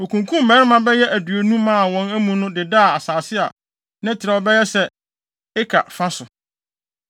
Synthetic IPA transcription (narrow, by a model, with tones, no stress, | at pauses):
o˨kʰũ˨ŋkʰũ˦m˨mɛː˦ɾɪ˦mã˦bɛ˦jɛ˦ʔæ˨dɥo˨nũ˦mãː˦˨wɔ̃˨næ˦mũ˨nʊ̃˦dɪ˨da˦a˨a˨saː˨sɪ˦a̰˨ | nɪ̃˦tʰɪ˨ɾɛ˨ɔ˨bɛ˦jɛ˦sɛ˦ | ɪ˦kʰa̰˨fã˦sʊ˨